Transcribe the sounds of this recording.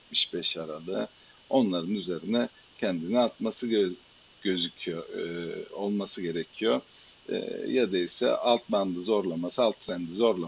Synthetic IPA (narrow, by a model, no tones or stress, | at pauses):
mi̥ʃbɛʃaɾalˠɯ | o̞nlˠaɾɯnyze̞ɾinɛ | cʰɛnd̪iniat̪masɯ | ɟø̞zycʰijo | olˠmasɯɟe̞ɾecʰijo̰ː | jad̪aisɛ̰ʔalˠt̪mand̪ɯzo̞ɾlˠamasɯalˠt̪ʰːɾænd̪izo̞ɾlˠa